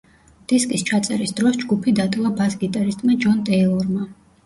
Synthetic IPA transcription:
d̪̥iskʼist͡ʃʰat̪sʼɛɾisd̪ɾɔsd͡ʒɡupʰid̪at̪ʼlˠabasɡit̪ʼaɾist̪ʼmad͡ʒɔnd̪ɛilˠɔɾma

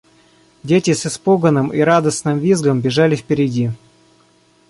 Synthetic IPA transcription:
dʲetʲɪsɪspoɡənɨmiɾad̪əsnɨmvʲizɡəmbʲɪʐalʲɪfpʲɪɾʲɪdʲi

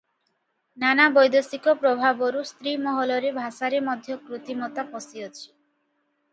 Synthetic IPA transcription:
nanabɔjd̪osikɔpɾɔbʱaboɾust̪ɾimɔɦɔlɔɾebʱasaɾemɔd̪ʱjɔkɾut̪imɔt̪apɔsiot͡ʃʰi̥

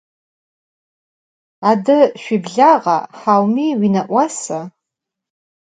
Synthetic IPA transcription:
adɨʃʷᶣibɮaʁa̰ħawmiɥinaʔʷasa

